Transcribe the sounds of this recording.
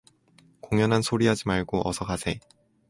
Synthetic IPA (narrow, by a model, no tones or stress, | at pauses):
koŋjʌnɦansʰoɾiɦad͡ʑimaɭɡoʔʌsʰʌkʰasʰe̞